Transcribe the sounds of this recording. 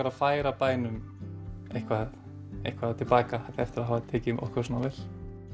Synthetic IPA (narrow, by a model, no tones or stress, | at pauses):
aɾaðfaːjɾapaːjnʏm | ejhkʰvað | ḛjhkʰvaðt̪ʰɪlpaːkahatɛft̪ɪɾaðɦavat̪ʰɛːcɪmʔɔ̰hkʰvɛsɔnavɪl̥